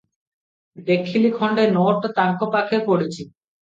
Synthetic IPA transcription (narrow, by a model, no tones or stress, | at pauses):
bekʰːilikʰɔɳɖenoʈt̪aŋkopakʰepoɽet͡ɕʰi